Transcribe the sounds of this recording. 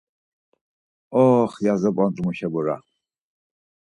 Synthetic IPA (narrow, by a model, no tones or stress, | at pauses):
ɔːχjazɛpʼant̪ʼmuʃɛbɔɾa̰